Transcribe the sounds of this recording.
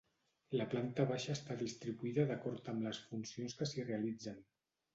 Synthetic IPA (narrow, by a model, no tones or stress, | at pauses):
ləplant̪əβaʃəːst̪aðist̪ɾiβuiðəðəkɔɾt̪əmləsfunsionskəsireəlid͡zən